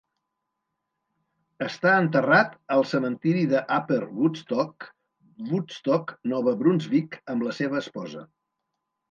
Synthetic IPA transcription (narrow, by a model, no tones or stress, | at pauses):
əst̪aənt̪ərat̪əlˠsəmənt̪iɾiðəʔapəlˠβust̪ɔk | βust̪ɔknɔβəbɾunzβikəmləseβ̞əːspɔzə̰